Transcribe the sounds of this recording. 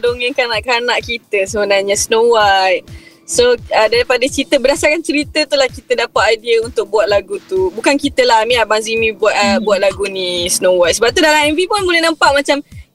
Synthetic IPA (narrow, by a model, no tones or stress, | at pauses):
doŋə̃nkanaʔkanaʔkit̪əsəbənarɲasnowaj | soədaɾipadət͡ʃɾit̪əbədasarkant͡ʃəɾit̪ət̪ulahkit̪ədapat̪adiəunt̪ʊk̚buat̪̚laɡut̪ubukankit̪əlaɦmĩabaŋzimĩbuaʔəbuat̪̚laɡunĩsənowaʔsəbap̚t̪udalãŋɛnvipʊnmulanampaʔmat͡ʃam